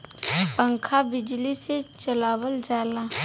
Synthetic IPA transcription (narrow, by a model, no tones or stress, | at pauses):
pə̃ŋkʰabɪd͡ʒliset͡ʃəlaːwəld͡ʒaːlaː